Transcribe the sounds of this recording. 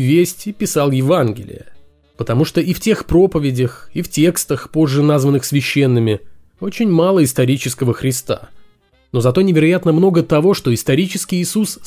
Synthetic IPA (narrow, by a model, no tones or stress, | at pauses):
vʲesʲtʲipʲɪsalˠjɪvanɡʲɪ̰lʲɪ̰jə̰ | pət̪ɐmuʂt̪o̞iftʲe̞xpɾo̞pəvʲɪdʲəxiftʲe̞kst̪əxpo̞ʐːɨnazvənːɨxsvʲɪɕːe̞nːɨmʲɪ | o̞t͡ɕɪnʲmalˠəɪst̪ɐɾʲit͡ɕɪskəvəxɾʲɪst̪a̰ | no̞zɐt̪onʲɪvʲɪɾɐjat̪nəmno̞ɡət̪ɐvo̞ʂt̪o̞ɪst̪ɐɾʲit͡ɕɪskʲɪjɪsus